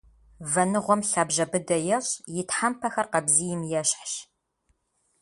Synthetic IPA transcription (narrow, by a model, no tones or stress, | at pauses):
vɐnɨʁʷɔmɬaːbʒɐbɨdɐjɛɕʼjɪtħampʰɐxɐrqɐbziːjɪmjɛɕħɕ